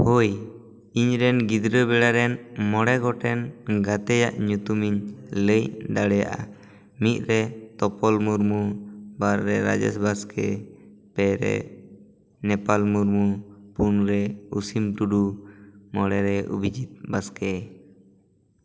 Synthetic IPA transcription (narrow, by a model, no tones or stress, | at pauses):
hoj | iɲɾɛnɡid̪ɾəbɛɽaɾɛnmɔɽɛɡɔʈɛnɡat̪ɛjaʔɲut̪umiɲləjd̪aɽɛja̰ʔa̰ | mit̪̚ɾɛt̪ɔpɔlmuɾmubaɾːɛɾa̰d͡ʒɛ̰sbaskɛ | pɛɾɛ̰ | nɛpalmuɾmupunɾɛusimʈuɖumɔɽɛɾɛʔṵbid͡ʒit̪̚baskɛ